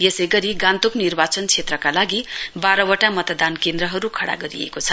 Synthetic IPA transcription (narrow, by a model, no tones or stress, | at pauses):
jesʌjɡʌɾiɡãnt̪uknirbat͡sʌnt͡sʰet̪rʌkalaɡibaɾʌwʌʈamʌt̪d̪ankend̪ɾʌɦʌɾukʰʌɽa̰ɡʌɾḭḛkot͡sʰʌ